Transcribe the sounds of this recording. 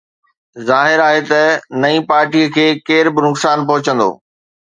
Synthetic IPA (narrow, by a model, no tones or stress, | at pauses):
zaːɦɪɾaːɦet̪ɐnɐĩpaːɾʈiːəkʰeːkeːɾbɪnʊksaːnp̬ɐɦʊt͡ɕə̃nd̪o̰ː